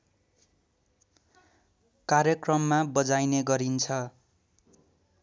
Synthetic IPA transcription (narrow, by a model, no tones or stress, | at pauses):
karjʌkrʌmːabʌd͡zajneɡʌɾint͡sʰʌ